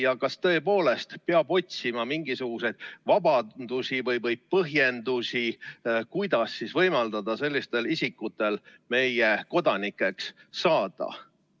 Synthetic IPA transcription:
jɑkɑst̪ɤ̞epo̞ːle̞st̪peɑb̥o̞t̪ʲsimɑmiŋɡ̥isuɡ̥use̞jd̪̥vɑbɑd̪̥usʲivɤjvɤj̥̚pɤɦje̞nd̪usikujd̪̥ɑsːisvɤ̞jmɑld̪ɑd̪̥ɑse̞lʲːist̪e̞lisikːˑut̪ːˑe̞lme̞jeko̞d̪̥ɑnikːˑe̞ksːɑːd̪̥ɑ̰

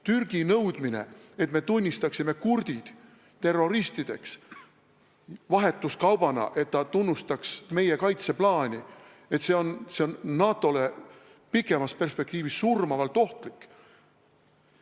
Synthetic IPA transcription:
t̪yrɡ̥inɤwd̪̥mine̞̰e̞t̪me̞t̪unʲːist̪ɑksime̞kurd̪̥id̪̥ | t̪e̞rːo̞ɾist̪id̪̥e̞̰ks | vɑɦe̞t̪ˑːuskɑwb̥ɑnɑ̰ʔe̞t̪ːɑt̪unːust̪ɑksme̞je̞kɑjt̪se̞plɑːnʲi | e̞t̪se̞o̞nse̞onːɑːt̪ˑːo̞le | pikːˑe̞mɑspe̞rspe̞k̚t̪iːvisːurmɑvɑlt̪ˑo̞ht̪likː

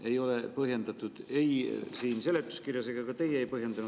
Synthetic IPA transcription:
e̞jo̞le̞pɤɦje̞nd̪̥ɑt̪ːˑud̪̥e̞jsiːnse̞le̞t̪ːˑu̥skirjɑseɡ̥ɑkɑt̪e̞jeejpɤɦje̞nd̪̥ɑnu

